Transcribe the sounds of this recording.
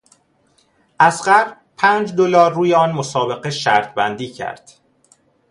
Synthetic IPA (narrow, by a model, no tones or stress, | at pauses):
ʔæsɢæɾb | pʰæːnd͡ʒd̪olɒːɾːuːjeɒːnmosɒːbe̞ɣeʃæ̰ɾt̪̚ʰbæ̰nd̪iːcʰæ̰ɾd̪̥